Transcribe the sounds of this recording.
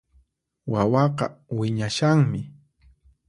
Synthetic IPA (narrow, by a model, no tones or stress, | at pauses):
wawɑqɑwɪɲaʃaŋmɪ